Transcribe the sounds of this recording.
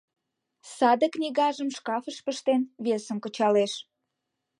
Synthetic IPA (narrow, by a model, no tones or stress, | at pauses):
sɑd̪əknʲiɣɑʒəmʃkɑfəʃpəʃt̪enβesə̆mkə̆t͡ɕɑleʃ